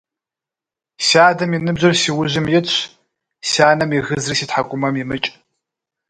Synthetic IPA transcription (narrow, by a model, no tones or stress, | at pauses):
saːdɐmjinɨbʑɐrsiwʊʑɪmjɪt͡ɕʷʰ | saːnɐmiɣɨzrisitħakʷʼʊmɐmjimɨt͡ʃʼ